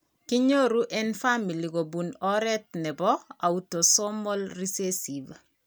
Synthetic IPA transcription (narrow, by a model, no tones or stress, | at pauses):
kiɲoɾuʔenfamiliɡobunoɾetneboautosomolrisesiv